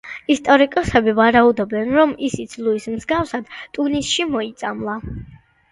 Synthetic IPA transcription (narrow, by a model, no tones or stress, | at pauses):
ist̪ʼɔɾikʼɔsɛbivaɾaud̪ɔbɛnɾɔmisit̪sʰlˠuismzɡafsad̪̥t̪ʼunisʃimɔit̪sʼamlˠa